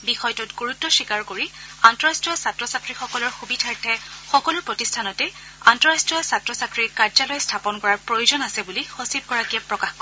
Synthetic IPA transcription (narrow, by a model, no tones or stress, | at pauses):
bixɔjtʊtɡoɹutːɔʃikaɹkoɹiantɔɹastɹijɔsatɹɔsatɹixɔkɔlɔɹxubidʱaɹtʰɛxɔkɔlʊɹpɹɔtistʰanɔtɛ | antɔɹastɹijɔsatɹɔsatɹiɹkaɹzalɔjstʰapɔnkɔɹaɹpɹojuzɔnasɛbulixosib̚kɔɹakiapɹɔkaxkɔ